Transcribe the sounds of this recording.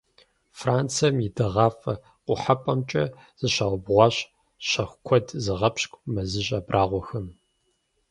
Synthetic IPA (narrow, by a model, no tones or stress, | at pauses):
fraːnt͡sʰɐmjɪdɨʁɑːfɐ̰ | qʷʊħapʼɐmt͡ʃʼɐ | z̥ɨɕaʁʷʊbʁʷɑːɕ | ɕɐxʷkʷʰɔdzɨʁɐpɕkʷʼmɐzɨɕʼɐːbrʔaːʁʷɔxɨn